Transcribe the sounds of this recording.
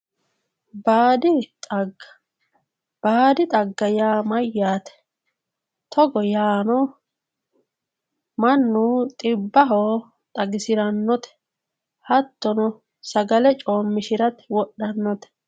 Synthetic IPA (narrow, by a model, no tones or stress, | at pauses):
baːd̪ɪt̪ʼɐɡ | b̥aːd̪ɪt̪ʼɐɡːɐjaːmɐjːaːt̪ɛ̥ | t̪ʰɔɡɔjaːnɔ | mɐnːut̪ʼɪbːɐɦoː | t̪ʼɐɡɪsɪɾɐnːɔt̪ɛ̥ | hɐt̪ːɔnɔ | sɐɡɐlɛt͡ʃʼoːmːɪʃɪɾɐt̪wɔɗːɐnːɔt̪ɛ̥